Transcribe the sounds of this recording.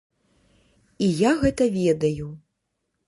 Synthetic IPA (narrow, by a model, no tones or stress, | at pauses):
ijaɣɛt̪ɐvʲɛd̪ɐju